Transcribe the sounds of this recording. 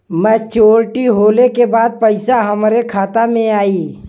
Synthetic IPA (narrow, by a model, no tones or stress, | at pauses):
mət͡ʃoːɾʈiɦoːlekebaːd̪̚pəɪsaɦəmɾekʰaːt̪amẽaːiː